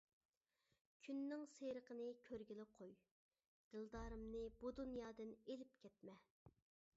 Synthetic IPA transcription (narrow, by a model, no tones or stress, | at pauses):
kʲʰynːɪŋseɾəqənɨkʲʰøɾɡʲilɪqʰoj | d̪̥ɨlˠd̪ɑːɾɨmnɨbud̪unjɑːd̪ɨnelɪp̚kʲʰɛt̪̚mɛ